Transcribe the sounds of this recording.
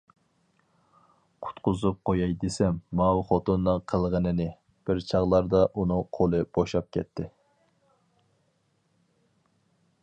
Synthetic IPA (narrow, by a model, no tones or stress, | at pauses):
qʰʊ̥t̪qʊzup̚qojɑjd̪esɛmːɑwχɔt̪unːɨŋqʰəlˠʁənɨnɪ | b̥ɪɾt͡ʃʰɑʁlˠɑɾd̪ɑʔunɨŋqʰolˠɨb̥oʃɑp̚kʲɛ̰t̪ʰːɪ